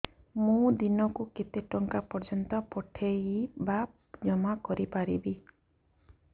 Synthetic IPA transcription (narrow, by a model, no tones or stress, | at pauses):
mũd̪inɔkuket̪eʈɔŋkapɔɾd͡ʒɔnt̪ɔpɔʈʰeiba | d͡ʒɔmakɔɾipaɾḭbi